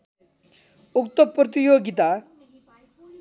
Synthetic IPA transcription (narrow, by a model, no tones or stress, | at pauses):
ukt̪opːɾɔt̪̬ijoɡit̪a